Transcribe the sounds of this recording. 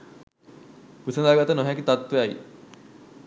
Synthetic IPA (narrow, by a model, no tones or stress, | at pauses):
pusənaɡat̪ənoɦɛkit̪at̪ʋeaj